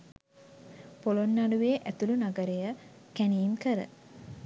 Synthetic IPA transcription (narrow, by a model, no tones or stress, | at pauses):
polonːaluʋeːʔæt̪ulunaɡəɾejə | kæniːnkəɾə̰